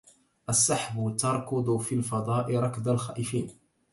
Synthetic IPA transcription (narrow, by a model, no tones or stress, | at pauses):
ʔasːaħbʊt̪ɑɾˤkʊd̪ˤʊfilfɑd̪ˤɑːʔɪɾˤɑkd̪alxa̰ːʔɪfiːn